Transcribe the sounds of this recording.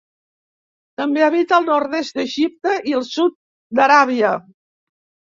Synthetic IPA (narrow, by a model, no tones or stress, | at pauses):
t̪əmbeəβit̪əːlˠnɔɾðesd̪əʒip̚t̪əʔiəlˠsut̪̚ | d̪əɾaβ̞iə